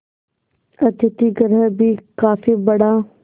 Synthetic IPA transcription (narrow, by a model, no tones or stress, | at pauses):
ɐt̪ɪt̪iɡəɾəbʱikaːfiːbɐɽaː